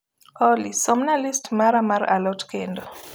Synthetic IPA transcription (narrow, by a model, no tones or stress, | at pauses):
ɔlisɔmnalistmaɾamaɾa̰lɔtkendɔ